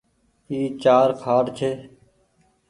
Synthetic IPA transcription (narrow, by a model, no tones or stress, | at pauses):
iːt͡ʃaːɾkʰaːʈt͡ʃʰeː